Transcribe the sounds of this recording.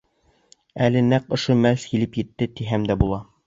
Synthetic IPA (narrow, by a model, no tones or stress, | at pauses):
ælɘnæqŏʃomælskilɘpjɘ̆t̪ːɘt̪iɦæmd̪æbulˠɑ